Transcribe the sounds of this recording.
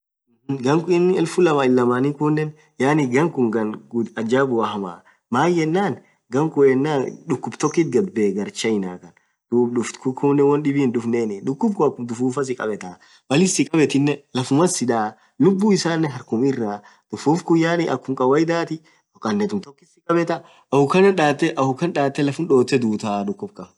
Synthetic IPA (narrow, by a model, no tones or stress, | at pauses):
ɡɐŋkɪnːɛlfʊlɐmaːɪlːɐmaːnikunːɛn | jaːnɪɡɐŋkʊŋɡɐnɡ̪ɐd͡ʒaːbʊwɐhɐma̰ː | maːjjɛnːaːn | ɡɐŋkʊɛnːaːᶑʊkːʊbt̪ɔkːit̪ɡɐd̪beːɡɐɾt͡ʃɐjɪnaːkɐn | d̪̥uːbɗʊfkʊkuːnːɛwɐnɗɪbiːndʊfneːnɪᶑʊkːʊbkʊɐkːʊmd̪ʊfuːfɐs̬ɪkʼɐ̰bɛt̪aː | mɐlɪsɪkʼɐbɛt̪ɪnːɛlɐfʊmɐsɪᶑ̪aː | lʊbːuːɪsaːnːɛɦɐɾkʊmɪrːaː | d̪̥ʊfuːfkʊjːaːnɪʔɐkːʊmkʼɐwɐjd̪aːt̪ɪ | kːɐnːɛt̪ʊmt̪ɔkːɪsɪkʼɐbɛt̪ɐ | ʔɐfʊkɐnɐnᶑaːt̪ːɛʔɐfʊkːɐnᶑaːt̪ːɛlɐfʊnᶑo̞ːt̪ːɛd̪uːt̪aːᶑʊkːʊb̚kɐ